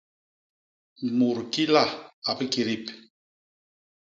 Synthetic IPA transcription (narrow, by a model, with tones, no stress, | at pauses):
mu˨ɾki˦la˦˨a˨pə˦ki˨ɾi˦˨p